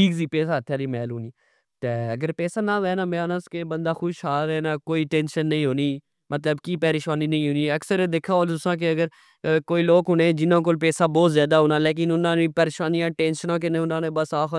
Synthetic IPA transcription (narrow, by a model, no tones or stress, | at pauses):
ʈʰiːkziːpɛːsaːət̪ʰːjaːɾimɛ̰ːluːniː | t̪eːəɡəɾpɛːsaːnãːʋɛːnaːmeaːnəskebə̃nd̪aːxʊʃɦaːɾɛːnaːkoːiːʈẽːnʃənːĩːɦoːniː | mət̪ləbkiːpɛːɾɪʃʋaːniːnəĩːɦʊːniːəksəɾed̪eːkʰaːoːlt̪ʊsãːk̬eəɡəɾ | koːiːloːkɦʊnẽːd͡ʒɪnãːk̬oːlpɛːsaːbɔːt̪zjaːd̪aːɦoːnãːleːk̬ɪnʊnãːnẽːpɛːɾɪʃaːnijãːʈeːnʃənãːk̬ɪnẽːʊnãːnẽːbəsaːx